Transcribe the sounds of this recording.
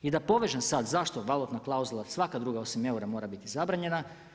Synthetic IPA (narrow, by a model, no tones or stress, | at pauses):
id̪apo̞ʋeʒemsad̪zaʃt̪oʋalˠut̪naklˠauzulˠasʋakad̪ɾuːɡao̞sime̞uɾamo̞ːɾabit̪izabɾaɲe̞na